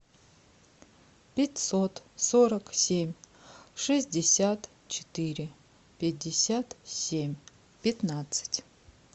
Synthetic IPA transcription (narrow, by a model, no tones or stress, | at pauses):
pʲetʲsot̪soɾaksʲemʲ | ʂɨzʲdʲesʲat̪ | t͡ʃʰɪ̥t̪ɨɾʲɪ | pʲet̚ʲdʲɪsʲat̪sʲemʲ | pʲet̪nat̪sɨ̥tʲ